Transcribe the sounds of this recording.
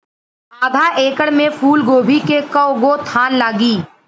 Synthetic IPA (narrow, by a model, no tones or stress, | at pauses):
saːd̪ʱaʔeːkəɽmẽfʰuːlɡoːbʱikekɐʊɡot̪ʰaːnlaːɡiː